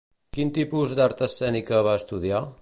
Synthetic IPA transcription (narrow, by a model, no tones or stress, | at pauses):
kint̪ipuzd̪aɾt̪əsɛnikəβaəst̪uð̞ia